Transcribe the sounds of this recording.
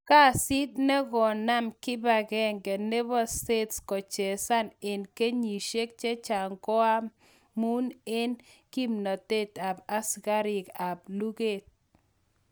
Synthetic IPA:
ka˦˨si˦t̪̚nɛ˦ɡɔ˨na˦mkɪ˦ba˨ɡɛ˨ŋɡɛ˨ne˦bɔ˦ste˦tskɔ˨t͡ʃe˨sa˦ne˨nke˦ɲi˨ʃe˦k̚t͡ʃe˦t͡ʃa˨ŋkɔ˦a˦ | mu˦ne˦nki˦mno˨te˦ta˨ba˦sɡa˦ɾɪ˨ka˨blu˦ɡe˨t̚

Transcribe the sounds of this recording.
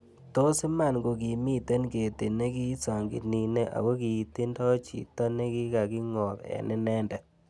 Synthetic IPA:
to˦sɪ˦ma˨nɡo˨k̬i˨mi˦te˦nke˨te˨ne˦ki˦sa˨ŋɡɪ̰˨tni˨ne˦ʔa̰˨wo˦ki˨ti˦ndɔ˦t͡ʃḭ˨ta˦ne˦ki˦ka˨ki˦ŋɔ˨ðɛ̰˨nɪ˦nɛ˦ndɛ˨

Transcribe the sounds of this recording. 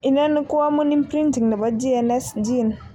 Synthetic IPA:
ʔi˨na˦nːi˦kʊ˦wa˦mu˦ni˦mpɾi˦nti˨ŋda˨ba˦d͡ʒi˦ɛ˦nɛ˦sd͡ʒi˦˨n˨

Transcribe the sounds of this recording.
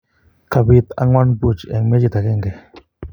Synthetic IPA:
ka˨bi˧t̪a̰˦ŋwa˦nbu˦˨t͡ʃe˨ŋme˦d͡ʒi˧˨t̪a˨ke˦˨ŋɡe˨

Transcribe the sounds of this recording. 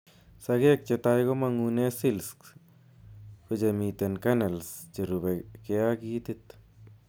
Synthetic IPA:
sa˧ɡe˦k̚t͡ʃe˧t̪a˧jɡo˦ma˧ŋu˧ne˦si˦lsk | ko˧d͡ʒe˧mi˧t̪e˨nka˦na˨lst͡ʃe˨ɾu˨be˨ke˧a˦ɡi˦t̪i˧t̪

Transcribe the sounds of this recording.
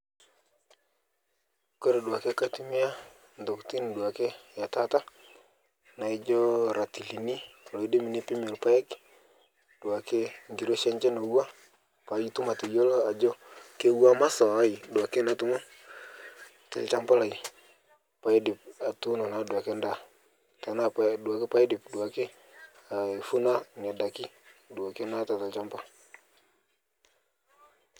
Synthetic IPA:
ko˦ɾe˨du˨a˨ke˦ka˦ti˦mi˦a˦ | ndɔ˨kti˦n˨du˨a˨ke˦ja˨ta˦ta˦ | na˨i˦d͡ʒɔ˦ɾa˨ti˨li˨ni˦˨lo˨i˦di˦mi˨ni˦pi˦mɛ˨lpa˦ɛ˦k | d̥u˨a˨ke˦ŋɡi˨ɾo˦ʃɛ˦ɲt͡ʃɛ˦na˨u˦a˦ | pa˨˦ji˦tu˦ma˨ti˨jo˦lo˦a˨d͡ʒɔ˦ke˦u˦a˦ma˦sɔ˨a˦i˨du˨a˨ke˦na˦tu˨˦mo˦ | ta̰˨lt͡ʃa˦mpa˦la˨i˨ | pa˨i˦dɪ˨p̚a˨tu˦no˨na˨˦du˨a˨ke˦nda˦˨ | ta˨na˦˨du˨a˨ke˦pa˨˦i˦dɪ˨pdu˨a˨ke˦ | a˨fu˦na˦ŋɛ˨da˨ki˦du˨a˨ke˦na˦ta˨ta˨t͡ʃa˦mpa˦

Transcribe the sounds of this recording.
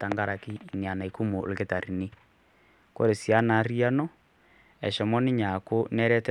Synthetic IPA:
ta˨ŋɡa˦ɾa˨kiː˦˨ni˨a˨na˨i˨ku˦mo˨lke˦ta˨ɾi˨ni˦ | ko̰˦ɾe˨si˨a˦na˨˦ri˦a˦nɔ˦ | ɛ˨ʃɔ˨mɔ˦nɪ˦ɲa˨ko˦nɛ˦ɾɛ˦tɛ

